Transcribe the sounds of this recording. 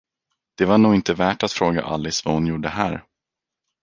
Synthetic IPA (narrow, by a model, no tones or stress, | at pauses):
d̪̥ɛvaɳuːɡɪnt̪əvæːʈat̪fɾoːɡa̰ʔa̰lːɪsvahʊnjuːɖəɦæːɾ